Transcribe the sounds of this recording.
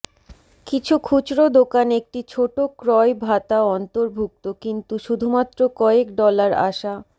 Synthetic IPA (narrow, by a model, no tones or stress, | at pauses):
kit͡ɕʰukʰut͡ɕɾod̪okanek̚ʈit͡ɕʰoʈokɾɔebʱat̪aɔnt̪oɾbʱuk̚t̪okint̪uʃud̪ʱumat̪ːɾokɔekɖɔlaɾa̰ʃa